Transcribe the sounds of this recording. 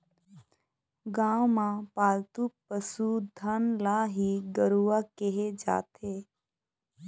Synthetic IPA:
ɡãwmãpaːlt̪upəsud̪ʱanlaɦiɡəɾuʋakeɦed͡ʒa̰ːt̪ʰe

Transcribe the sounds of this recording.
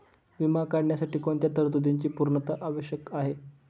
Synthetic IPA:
ʋimakaɽɳjasaʈiːkoɳt̪jat̪əɾt̪ud̪iɲt͡ɕiːpuɾɳət̪əʔaʋəɕjəkaɦe

